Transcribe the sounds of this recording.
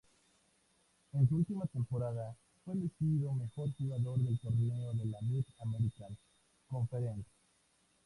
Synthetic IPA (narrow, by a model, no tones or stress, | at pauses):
ens̬uult̪imat̪empoɾaða | fweðesiiðome̞xo̞ɾxuɣaðo̞ɾðe̞lt̪oɾneoðelamit̪ameɾikan | koɱfeɾent̪ḁ